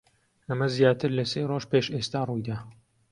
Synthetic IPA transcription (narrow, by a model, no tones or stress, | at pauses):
ʔɐmɐzjaːt̪ʰɨɾlɐseːroʒpeːʃest̪aːrujd̪aː